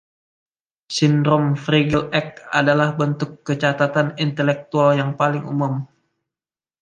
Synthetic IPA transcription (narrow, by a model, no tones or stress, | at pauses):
sindɾɔmfɾiɡəlɛk̚adalahbənt̪ʊkːət͡ʃat̪at̪anint̪əlɛk̚t̪ualjaŋpalɪŋʔṵmʊm